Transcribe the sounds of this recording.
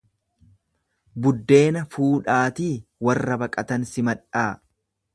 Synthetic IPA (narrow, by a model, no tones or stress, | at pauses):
bʊd̪ːe̞ːnɐfuːᶑaːt̪iːwɐrːɐbɐkʼɐt̪ɐnsɪmɐᶑaː